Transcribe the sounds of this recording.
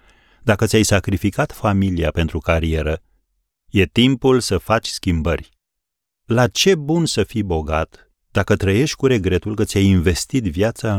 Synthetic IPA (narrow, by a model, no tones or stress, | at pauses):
d̪akət̪ʲajsakɾifikat̪familiape̞nt̪ɾukaɾie̞ɾə | je̞t̪impulsəfat͡ʃʲskʲimbərʲ | lat͡ʃe̞bunsəfijbo̞ɡat̪ | d̪̥akət̪ɾəje̞ʃt̪ʲkuɾe̞ɡɾe̞t̪ulkət̪sʲajinve̞st̪it̪vjat̪saɨ